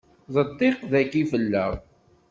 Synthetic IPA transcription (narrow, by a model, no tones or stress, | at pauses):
ðˤət̪ˤːiqðækifəlːə̰ʁˤ